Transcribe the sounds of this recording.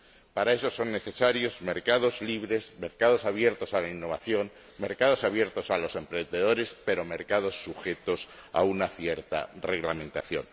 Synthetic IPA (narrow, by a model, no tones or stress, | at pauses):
paɾae̞so̞so̞nːe̞θe̞saɾjo̞zme̞ɾkaðo̞zliβ̞ɾe̞zme̞ɾkaðo̞saβ̞je̞ɾt̪o̞salainːo̞βaθjo̞ŋ | me̞ɾkað̞o̞saβje̞ɾt̪o̞salo̞se̞mpɾe̞nd̪e̞ðo̞ɾe̞spe̞ɾo̞me̞ɾkað̞o̞sːuxe̞t̪o̞sa̰unaθje̞ɾt̪a̰re̞ɣlamẽ̞nt̪aθjo̞̰n